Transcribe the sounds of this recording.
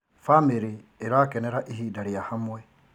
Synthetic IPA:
famiɾiːɾaːkeneɾaʔiɦiːdaɾijahamwe

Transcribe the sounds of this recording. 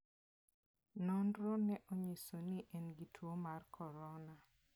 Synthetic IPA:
nɔnɾɔnɛʔoɲisoniʔɛnɡitʰwomarkʰɔɾɔna

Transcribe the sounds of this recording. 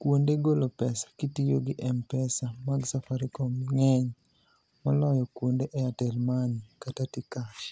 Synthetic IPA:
kwondeɡolopɛsḁkitijoɡɪʔɛmpɛsamaɡsafaɾikɔmŋɛɲ | mɔlɔjɔkwondeʔɛatɛlmanikatatikaʃ

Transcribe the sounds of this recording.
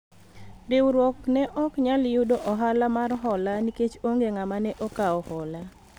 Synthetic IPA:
ɾɪwɾwɔknɛʔɔkɲaljudoʔɔɦalamarɦɔlaniket͡ʃoŋɡeŋamanɛʔɔkaɔhɔla

